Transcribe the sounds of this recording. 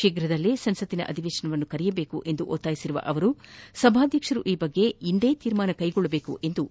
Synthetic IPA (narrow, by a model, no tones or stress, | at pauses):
ʃiːɡɾɐd̪ɐlːisɐnsɐt̪ːinɐ̰ʔɐ̰d̪ʱiʋeːʂɐnɐʋɐnːukɐɾɛjɐbeːkuʔe̞nd̪uʔoːt̪ːaːjisiɾuʋɐ̰ʔɐʋɐɾusɐbʱaːd̪ʱjɐkʂɐɾuʔiːbɐɡːe̞ind̪e̞ːt̪iːɾmaːnɐkɐjɡɔɭːɐbe̞ːkṵʔe̞nd̪u